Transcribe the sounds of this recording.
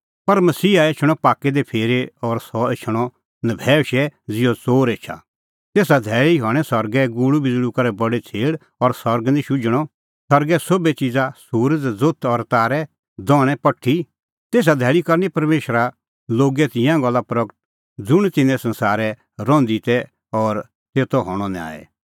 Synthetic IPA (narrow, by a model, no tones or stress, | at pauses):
pɐɾmɐsiːaet͡ʃʰɽ̃ɔpaːkːɛd̪ɛpʰeːɾeɔɾsɔet͡ʃʰəɽ̃ɔ | nɐbʱɛːʃɛd͡zɪjɔt͡soːɾeːt͡ʃʰa̰ | t̪eːsad̪ʱɛːɭiɦɔ̃ːɛsɐɾɡɛɡuːɽubɪd͡zɽukɐɾɛbɐɽet͡sʰeːɽ | ɔɾsɐɾɡnĩʃʊd͡ʒəɽ̃ɔ | sɐɾɡɛsobet͡ʃɪd͡zasuːɾd͡zd͡zot̪ʰɔɾt̪aːɾɛ | d̪ɔːɽ̃ɛ̃pɐʈʰːi | t̪eːs̬ad̪ʱɛːɭikɐɾnipɐɾmeːʃɾa | loːɡɛt̪ɪ̃jãɡɔlːapɾɐkəʈ̚ | d͡zʊɽ̃t̪ɪ̃nɛ̃sɐ̃nsaːɾɛ | ɾɔ̃ːnd̪it̪ɛ | ɔːɾ | t̪eːt̪ʰɔɦɔɽ̃ɔna̰ːɛ̰